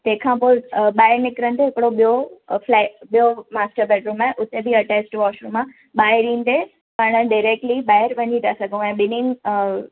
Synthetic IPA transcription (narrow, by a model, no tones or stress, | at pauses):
t̪ẽɦkʰãːpoːɪɓaːɪɾnɪkɾənt̪eɦɪkɽoɓijoflaɓijomaːsʈəɾbɛːɖɾũːmaːɦɪʔʊt̪ebʱiɐʈeːsʈʋɔːʃɾũmã | ɓaːɪɾĩːnt̪e | paːɽ̃əɖaɪɾeːk̚ʈliɓaːjɪɾʋɐɲit̪asɐɡʱũɛ̃ːɓɪnin